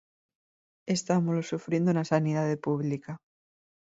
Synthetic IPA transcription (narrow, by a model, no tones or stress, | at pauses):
e̞st̪amozlosufɾje̞nd̪ounasaniðaðe̞puβlika